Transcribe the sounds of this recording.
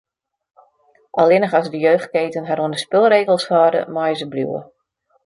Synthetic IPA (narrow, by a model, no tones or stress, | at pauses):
ʔalˠɪnəxɑsdəjøːxt̚keːtənɦaɾuəndəspɪlˠreːɣəlˠshɔːdə̰mɔjəzəbljṵwə̰